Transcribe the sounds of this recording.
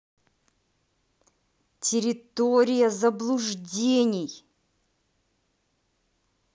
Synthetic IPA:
tʲɪɾʲɪt̪oɾʲɪjəzəblˠʊʐdʲenʲɪj

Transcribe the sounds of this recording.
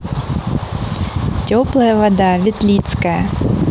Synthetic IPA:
tʲɔplˠɐjəvɐd̪avʲɪt̪lʲit̪skɐjə

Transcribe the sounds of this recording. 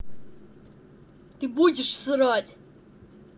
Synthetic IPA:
t̪ɨbud͡ʑʲɪʂsɨɾatʲʼ

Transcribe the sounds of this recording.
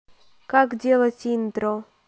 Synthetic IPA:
kakdʲelˠətʲint̪ɾo

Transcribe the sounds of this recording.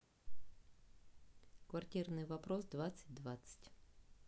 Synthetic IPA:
kvɐrtʲirnɨjvɐpɾosd̪vat̪sɨt̚ʲd̪vat̪sɨ̥tʲ

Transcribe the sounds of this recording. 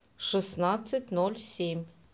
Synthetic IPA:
ʂɨsnat̪sɨtʲnolʲsʲemʲ

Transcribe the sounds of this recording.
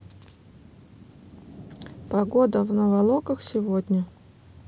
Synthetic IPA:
pɐɡod̪əvnəvɐlˠokəxsʲɪvod̪ʲnʲə

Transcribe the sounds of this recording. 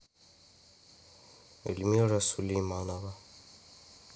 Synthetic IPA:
ḛlmiɾasulimanaba

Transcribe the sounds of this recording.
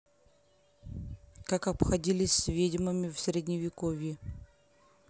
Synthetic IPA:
kakɐpxɐdʲilʲɪsʲsʲvʲedʲɪmɨmʲɪfsʲɾʲɪdʲnʲɪvʲɪkovʲjɪ

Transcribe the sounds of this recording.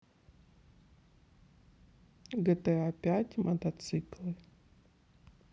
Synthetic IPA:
ɡɛt̪ɛapʲatʲmʔɐt̪ɐt̪sɨklˠɨ

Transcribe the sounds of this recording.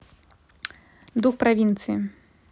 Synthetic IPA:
d̪uxpɾavʲint̪sɨjḭ

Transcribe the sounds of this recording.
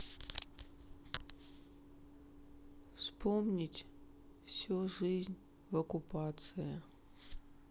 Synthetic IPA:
fspʰomnʲitʲ | fsʲuʐɨzʲnʲ | vokʊpʰat̪sɨjɐ

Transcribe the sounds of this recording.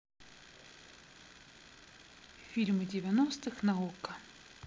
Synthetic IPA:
fʲilʲmɨdʲɪvʲɛnɔst̪ɨxnɐɔkɐ

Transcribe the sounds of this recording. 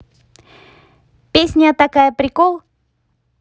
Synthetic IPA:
pʲesʲnʲət̪akajəpɾʲɪkolˠ

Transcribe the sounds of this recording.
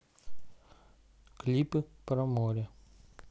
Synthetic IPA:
klʲipɨpɾɐmoɾʲɛ

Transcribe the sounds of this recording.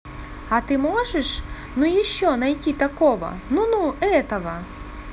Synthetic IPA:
ɐt̪ɪmɔʐɛʂ | nujiʃːɔnɐjtʲit̪ɐkɔʋɐ̰nunuɛt̪ɐʋɐ

